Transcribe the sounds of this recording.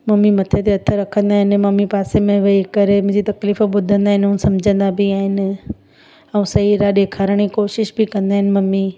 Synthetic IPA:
mɐmimɐt̪ʰet̪eɐt̪ʰəɾɐkʰə̃nd̪aːɦɪnɪ̆mɐmipaːsemẽʋɐikɐɾemʊ̃ɦɪ̃d͡ʑit̪ɐkliːfoɓʊd̪ʱə̃nd̪aːɦɪ̃nɪʊ̃sɐmd͡ʑʱə̃nd̪abɪaːɦɪnɪ̆ | ɛ̃ũsɐɦiɾaːɗekʰaɾəɽ̃ikoːʃɪʃbɪkɐ̃nd̪aːɦɪnɪ̆mɐmi

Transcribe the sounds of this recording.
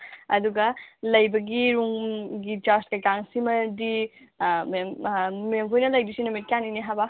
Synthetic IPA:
ɐ̰duɡɐlɐjbɐɡiɾuŋɡit͡ʃastkɐjkaŋsimɐdi | mmmemkʰojnɐlɐjdisinomit̚kianiniɦaba

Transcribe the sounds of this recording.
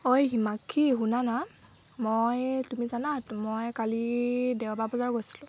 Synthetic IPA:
ojɦimakʰːiɦunana | mojtumizanatmojkalidɛwbabɔzaɹɡojsi̥lʊ̃

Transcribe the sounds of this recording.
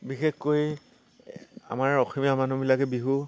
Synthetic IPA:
bixexkoj | a̰maɹɔximiamanubilakɛbiɦu

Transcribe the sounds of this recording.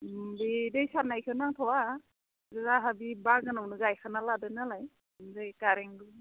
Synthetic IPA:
bidejsaɾnajkʰɯnaŋtʰɔwa | zɯzaɦabibaɡanawnɯɡajkʰanaladɯnalaj | mzajkaɾeŋdu

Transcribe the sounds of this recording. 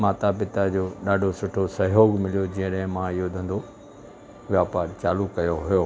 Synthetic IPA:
maːt̪apɪt̪ad͡ʑoːɗaːɖʱosʊʈʰosɐɦoːɡmɪlijod͡ʑĩːə̃ɗɛ̃ɦɪ̃mãɪɦod̪ʱɐ̃nd̪o | ʋjaːpaːɾt͡ɕaːlukɐjoɦʊjoː

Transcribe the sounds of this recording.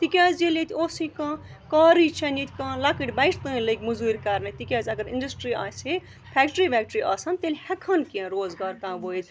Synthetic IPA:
t̪ikʲaːzelʲet̪ʰʲoːsikãː | kaːɾit͡ʃʰɐnit̪ʰʲkãːlakiʈʲbɐiʈt̪ɨ̃ːləkʲmuzuːɾʲkɐɾnɐt̪ikʲaːzɐɡɐɾḭɳɖɐsʈɾiːa̰ːse | pʰɛːk̚ʈɾiːbʲɛːk̚ʈɾiːʔaːsɐnt̪elʲhɐkʰɐnkiãɾoːzɡaːɾkãːʋoːit̪ʲ

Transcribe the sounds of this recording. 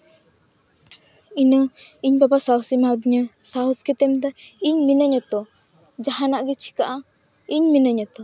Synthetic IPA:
inəŋiɲbabasausimad̪ɲəsauskɛt̪ɛmt̪aiɲminəɲət̪ɔ | d͡ʒaɦanaʔɡit͡ʃʰi̥kaʔa | iɲminəɲət̪ɔ

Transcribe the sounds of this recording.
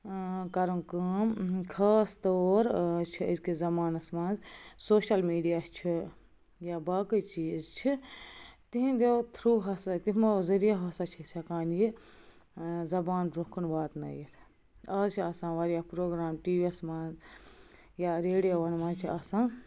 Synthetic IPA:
kɐɾɐnkɨkʰɐːst̪oːɾt͡ʃʰiɐzkizɐmaːnɐsmãːnzsoːʃɐlmiːɖijaːst͡ʃʰi | jabaːkɨt͡ʃiːzt͡ʃʰi | t̪iɦĩd̪et̪ʰɾuːɦɐsat̪imɐzɐɾijaɦɐsat͡ʃʰisʲʰɐkaːnji | zɐbaːnbɾukʰunbaːt̪nɐ̰jiɾʰ | ɐːzt͡ʃʰiɐsãːʋɐɾjapɾoːɡɾaːmʈiːʋiɐsmaːnz | jaɾeːɖijoʋɐnmãːnzt͡ʃʰiɐsãː

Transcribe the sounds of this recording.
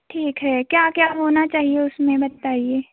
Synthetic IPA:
ʈʰiːkɦɛkjaːkjaːɦoːnat͡ʃaːɦieʊsmẽbɐt̪ːaːɦieː

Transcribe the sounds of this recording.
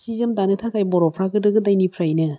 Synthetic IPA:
sizɯmdanɯtʰakʰajbɔɾɔpʰɾaɡɯdɯɡɯdajnipʰɾajnɯ

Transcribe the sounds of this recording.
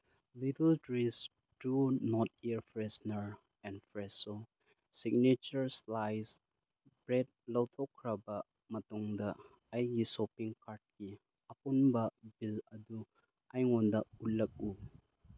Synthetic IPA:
litɐltɾis | dunɔt̚iɾpʰɾesnɐɾ | ɛnpʰɾeso | siɡ̚net͡ʃɐɾslajs | bɾed̚lɐwtʰɔkʰːɾɐbɐ | mɐtuŋdɐː | jɡisopiŋkaɾt̚ki | ɐpunbɐbilɐdu | ajŋɔndɐullɐk̚u

